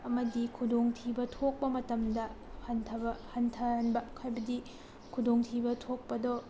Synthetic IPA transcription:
ɐmɐdikʰudoŋtʰibɐtʰok̚pɐmɐtɐmdɐ | hɐntʰɐbɐhɐntʰɐanbɐkʰajbɐdi | kʰudʱoŋtʰibɐtʰok̚pɐdɔ

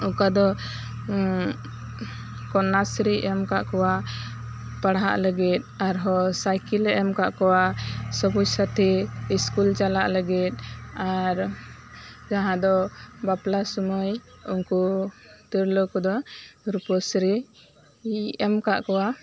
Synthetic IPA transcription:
ukad̪ɔ | kɔnasɾiʔɛmkaʔkɔwa | paɽɦa̰ʔləɡit̪̚ˀaɾɦɔsajkilɛʔɛmkaʔkɔwasɔbujsət̪ʰiiskult͡ʃalaʔləɡit̪̚ˀaɾ | d͡ʒaɦãd̪ɔbaplasɔmujunkut̪iɾlɔkɔd̪ɔɾupɔsɾi | ɛmkaʔkɔwa

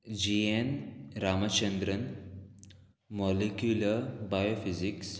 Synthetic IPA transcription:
d͡ʑienɾamɐt͡ɕənd̪ɾən | mɔlekjuləɾbajofiziks

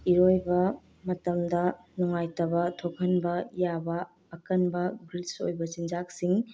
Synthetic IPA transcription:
iɾojbɐ | mɐtɐmdɐnɔŋajtɐβɐtʰokʰɐnbɐjabɐː | kɐnbɐbɾilso̰jbɐt͡ʃind͡ʒak̚siŋ

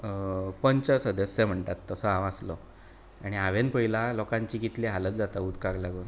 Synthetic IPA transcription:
pəɲt͡ɕasəd̪əsːem̤əɳt̪at̪ːəsəãʋaslɔ | aɽ̃iaʋenpəɦilalɔkãɲt͡ɕiːkit̪leɦalət͡sd͡zat̪aut̪kaɡlaɡuːn

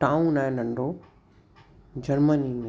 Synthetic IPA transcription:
ʈãːũnaːẽnɐ̃ɳɖo | d͡ʑɐɾməni

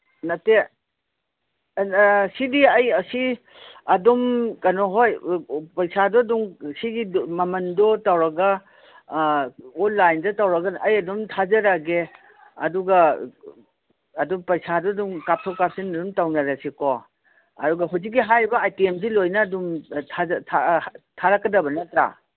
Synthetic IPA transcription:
nɐte | sidiɐjɐsi | ɐdɔmkɐnɔɦojpɐjsʰadɔduŋsiɡimɐmɐndɔtawɾɐɡa | ɔnlajndɔtawɾɐɡɐnɐjɐdɔmtʰazɐɾaɡe | ɐ̰duɡa | dɔmpɐjsadɔduŋkap̚tʰɔwkap̚sinɐdumtawnɐɾasikɔ | ɐ̰duɡɐɦuz̬ik̬̚ːiɦajbɐajtiems̬ilojnɐːdumtʰatʰatʰaɾakːɐdɐbɐnɐtɾa̰

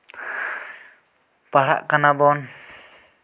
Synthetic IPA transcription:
paɾa̰ʔkanabɔn

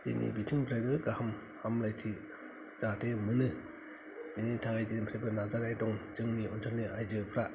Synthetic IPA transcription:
d͡ʒḛnʔḭbitʰɯŋpʰɾajbɯɡahɯm | hamlajtʰi | zatʰemɯnɯ | initʰaɡajzenpʰɾajbɯnazanajdɔŋd͡ʒɯŋniʔɔntʰɔlniʔajd͡ʒɯpʰɾa

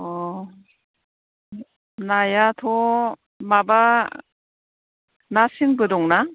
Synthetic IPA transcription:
ɔ | najatʰɔ | maba | nasiŋbɯdɔŋna

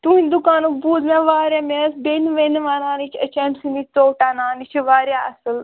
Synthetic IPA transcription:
t̪uːnʲd̪ukaːnukbuːzmẽʋaːɾʲjamesbenʋenʋaːnaːnit͡ʃʰɐt͡ʃɐnsinit̪oːʈaːnaːnit͡ʃʰiʋaːɾjaɐsɨl

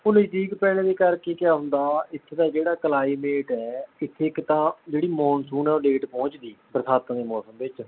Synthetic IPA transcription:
ʊñːiːt̪ʰiːkpɛːɽd̪eːkəɾkeːkɪjaːɦʊ̃nd̪aːɪt̪ʰːd̪aːd͡ʒeːɽaːklaːiːmeːʈɛːɪt̪ʰːekːt̪ãːd͡ʒeːɽiːmɔːnsuːnɛːoːleːʈpɔ̃ːt͡ʃd̪iːpɾəsʰaːt̪əãd̪eːmɔːsəmbɪt͡ʃ

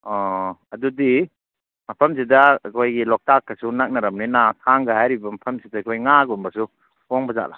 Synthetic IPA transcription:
ɔɐdudi | mɐpʰɐms̬idɐkʰojɡilɔk̚takːɐsunak̚nɐɾɐmninatʰaŋɡahajɾibɐmɐpʰɐmsidɐkʰojŋaɡumbɐsu | poŋbɐza̰ʔ̚la̰

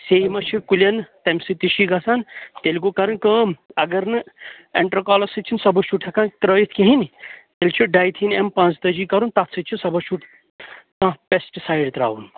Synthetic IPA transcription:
sejmɐt͡ʃʰikulʲɐnt̪ɐmʲsɨt̪iʃiɡɐsant̪elkokɐɾɨnkəːmɐɡɐɾnɨ | eɳʈɾɐkaːlɐsɨt͡ʃʰinsɐbɐt͡ʃʰuʈʰɐkãnkɾəːjit̪ʰkiɦint̪elʲt͡ʃʰiɖaːjt̪ʰinempãːt͡sd̪ɐd͡ʒikɐɾunt̪ɐt̪sɨt͡ʃʰisɐbɐt͡ʃʰuʈʰ | kãpesʈsaːjɖt̪ɾa̰ːwun

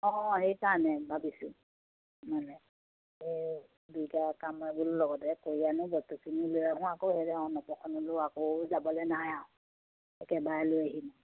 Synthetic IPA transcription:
ɔ̃ɦɔ̃ɦejkanɛbabisu | manɛ | e | dukakamɛbullɔɡɔdɛkoijanʊ̃bɔtusinilojaɦũakohedɛɔ̃nɔpɔkʰɔnɔloakozabɔlɛnaja | ɛkɛbaɛlojaɦinɔ

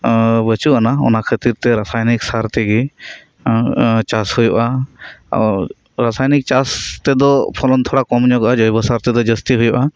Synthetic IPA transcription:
bət͡ʃuʔanaɔ̰nakʰət̪iɾt̪ɛɾasajniksaɾt̪ɛɡi | t͡ʃashujuʔa̰ | ɾ | ɾasajnik̚t͡ʃast̪ɛd̪ɔpʰɔlɔnt̪ʰɔɽakɔmɲɔɡʔad͡ʒɔjbɔsaɾt̪ɛd̪ɔd͡ʒəst̪iɦujuʔa

